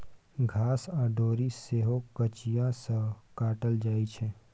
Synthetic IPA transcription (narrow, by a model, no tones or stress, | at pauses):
ɡʱaːsaːɖoːɾiseːɦokət͡ʃijãsəkaːʈəld͡ʒaːit͡ʃʰɛː